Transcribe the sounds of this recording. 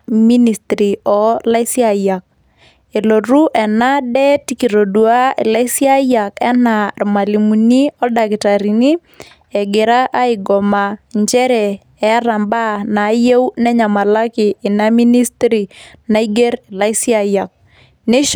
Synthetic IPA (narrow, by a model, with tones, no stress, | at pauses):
mi˦ni˨stɾi˨ɔ˨la˦ɪ˦si˦a˨ja˨k̚ | e˨lo˨ɾu˦ʔɛ˨na˦dɛ˦ti˨ki˨ɾo˨du˨a˦ḛ˨la˦ɪ˦si˦a˦ja˨kɛ˦na˨rma˨li˨mu˨ni˦ɔ˦da˨kɪ˨ta˨ɾi˨ni˦ | ɛ˨ɡɪ˨ɾa˦ʔa˦ɪ˨ɡɔ˨ma˨ɲd͡ʒɛ˦ɾɛ˨ | ɛ˨a˦ɾa˨mba˦˨na˨˦je˦wnɛ˦ɲa˨ma˨la˦kɪː˨na˦mi˦ni˦stɾi˨na˨i˦ɡe˦ɾe˨la˦ɪ˦si˦a˦ja˨k̚ | ne˦